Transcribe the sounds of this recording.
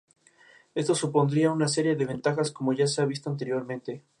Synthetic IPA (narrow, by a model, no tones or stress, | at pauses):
e̞st̪o̞supo̞nd̪ɾiaunas̬e̞ɾje̞ðe̞βe̞nt̪axasko̞mo̞ʝas̬eaβ̞is̬t̪o̞ant̪e̞ɾjo̞ɾmẽnt̪e̞